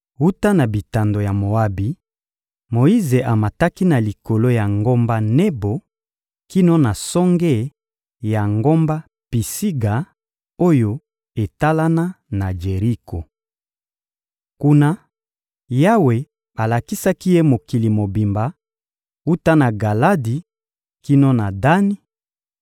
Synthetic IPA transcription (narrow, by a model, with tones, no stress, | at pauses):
u˦ta˦na˨bi˨ta˨ndo˨ja˨mo˨a˦bi˨ | mo˨i˦ze˨ʔa˨ma˨ta˦ki˦na˨li˨ko˨lo˦ja˨ŋɡo˦mba˦ne˦bo˨ | ki˦no˦na˨sɔ˦ŋɡɛ˦ | ja˨ŋɡo˦mba˦ | pi˨si˦ɡa˨ | o˦jo˦ | e˨ta˦la˦na˦na˨d͡ʒe˨ʁi˦kʰo˨ | ku˦na˦ | ja˦we˨ | a˨la˨ki˦sa˦ki˦je˦mo˨ki˨li˨mo˨bi˨mba˨ | u˦ta˦na˨ɡa˨la˦di˨ | ki˦no˦na˨da˦ni˦